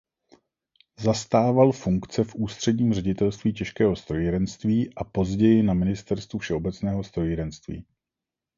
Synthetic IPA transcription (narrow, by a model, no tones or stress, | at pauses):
zast̪aːvalfuŋkt͡sɛfʔuːst̪r̝̥ɛdɲiːmrɛɟɪt̪ɛlst̪viːcɛʃkɛːɦo̞st̪ɾo̞jiɾɛnst̪viːʔapo̞zɟɛjɪnamɪnɪst̪ɛɾst̪vufʃɛo̞bɛt͡snɛːɦo̞st̪ɾo̞jiɾɛnst̪vḭː